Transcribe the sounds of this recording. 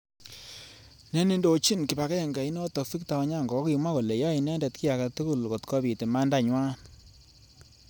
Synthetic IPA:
nɛ˦ni˦ndo˨t͡ʃi˦nki˨ba˨kɛ˦ɛ˨ŋɡa˨i˦nɔ˦tɔ˨fi˦k̚ta˨ɔ˦ɲa˦˨ŋɡɔ˨kɔ˦ki˨˧ma˦ko˨le˨jɔ˦i˨nɛ˦ndɛ˨tki˦a˨ka˨tu˦ku˦˨lko˨tkʰɔ˦bi˨te˨ma˦nda˦ɲwa˦n

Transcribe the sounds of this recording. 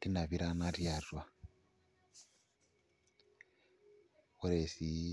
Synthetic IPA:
ti˦na˨βi˦ɾa˦na˦ɾja˨rwa˨ | wo˦ɾe˨si˨˦

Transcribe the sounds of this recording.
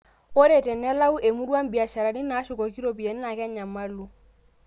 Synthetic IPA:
o˦ɾe˨tɛ˨nɛ˦la˦u˦ʔe˨mu˦ɾwa˦m̩˦bi˨a˨ʃa˨ɾa˨ni˦na˨˦ʃʊ˨kɔ˨ki˦ɾo˨p̬i˨e˨ni˦la˨kɛ˦ɲa˨ma˦lu˦

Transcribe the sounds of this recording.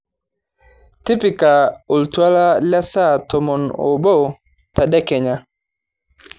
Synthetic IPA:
ti˦pi˨ka˨o˨ltu˨a˦la˦la˦sa˦tɔ˨mɔ˨nɔ̰˨bo˦ | ta˨dɛ˦kɛ˨ɲa˦

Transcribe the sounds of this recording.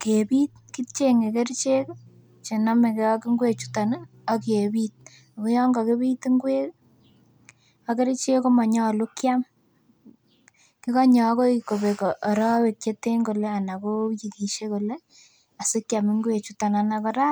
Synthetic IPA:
kepiː˦t̚ki˦t͡ʃe˦ŋe˨ke˦ɾt͡ʃe˦k | t͡ʃe˨na˦me˨ke˦ɔ˦ki˦ŋɡwe˨t͡ʃu˦ta˨na˦ | ɔ˦ke˨bi˦t̚ | ko˦jɔ˦ŋɡa˨ke˦bi˦ti˦ŋɡwe˦ | a˦ke˦ɾt͡ʃe˦ko˦ma˨ɲɔ˦˨lu˦kja˦m | ki˦ka˦ɲɔ˨˦ko˦iko˨be˨kɔʔːɾɔ˦we˨kje˦te˦ŋɡo˨le˦a˨na˨ko˦ji˨ki˨ʃe˦ko˨le˦ | a˨se˦kja˨mɪ˦ŋɡwe˨t͡ʃu˦ta˨nanakɔ˦ɾa˦

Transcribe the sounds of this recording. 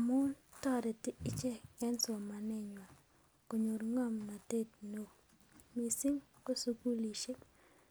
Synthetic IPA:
a˨mʊ˦ntɔ˦ɾɛ˨tɪ˦ɪ˦t͡ʃɛ˦ŋɛ˦nsɔ˨ma˨nɪ˦˨ɲwa˨ | ko˨ɲo˨ɾŋɔ˦˨mːa˨te˦˨tno˨ | mi˨si˦ŋko˦su˦ku˦li˨ʃe˦

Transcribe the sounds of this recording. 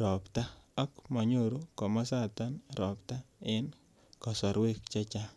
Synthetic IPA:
ɾɔ˨pta˦a˦kma˨ɲo˦ɾo˦kɔ˨ma˦sa˦t̪a˦nɾɔ˨pta˦ɪ˦n | kɔ˨sɔ˨ɾwe˦k̚t͡ʃa˦t͡ʃa˦

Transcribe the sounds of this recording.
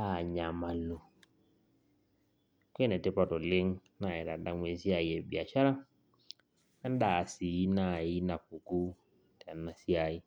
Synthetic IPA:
a˨ɲa˨ma˨lu˨ | kwɛ˦nɛ˨tɛ˦pa˨tɔ˨lɪ˦ŋna˨ɛ˨ɾa˨da˦mwe˨˦si˦a˨i˨ɛ˨bi˨a˨ʃa˦ɾa˦ | a˦n˦da˨si˨˦na˨i˦na˨pu˨ku˦ | ta˨na˨si˦a˨i˦

